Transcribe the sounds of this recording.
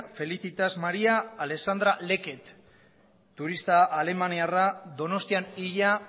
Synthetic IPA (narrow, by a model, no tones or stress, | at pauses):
fe̞liθit̪azmaɾiaːle̞ksand̪ɾale̞ke̞t̪ː | uɾist̪aʔːle̞maniaraðo̞no̞st̪ianiʎa